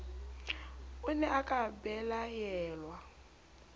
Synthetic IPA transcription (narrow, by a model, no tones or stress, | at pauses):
ʊnɛʔakʼabɛlajɛːlwa